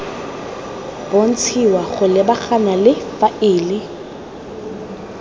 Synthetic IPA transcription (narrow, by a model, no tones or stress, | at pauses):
b̥on̩t͡sʰiwaɣʊlɪbaχanalɪfaʔɪːlɪ